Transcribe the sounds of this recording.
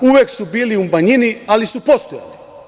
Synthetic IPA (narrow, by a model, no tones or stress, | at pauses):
uʋjeksubiːliumaɲinialisupo̞st̪oja̰li